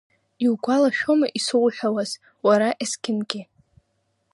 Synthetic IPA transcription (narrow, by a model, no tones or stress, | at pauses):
iwɡʷalaʃᶣomaʔisowħʷᶣawaz | waɾaʔeskʲɪnɡʲɪ